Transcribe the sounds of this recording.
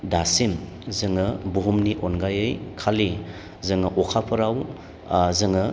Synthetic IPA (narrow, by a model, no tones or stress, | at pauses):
dasim | zɯŋɐbuɦumniʔonɡajɯjkʰali | zɯŋɐʔɔkʰapʰɐɾaw | zɯŋə